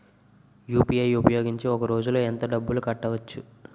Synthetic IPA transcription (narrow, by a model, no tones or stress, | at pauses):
juːpijɐjupɐjo̞ːɡiɲt͡ʃiɔkɐɾo̞ːd͡ʒuloːent̪ɐɖɐbːulukɐʈːɐʋɐt͡ʃːu